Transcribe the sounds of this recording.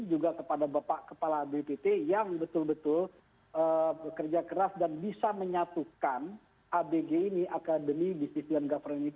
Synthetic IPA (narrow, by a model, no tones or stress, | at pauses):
d͡ʒuɡakəpadabapaʔkəpalabepet̪ejaŋbət̪ʊlbət̪ʊl | əbəkərd͡ʒakəɾasdanbisaməɲat̪ukan | ʔabeɡeiniʔakadəmidisisianɡafərini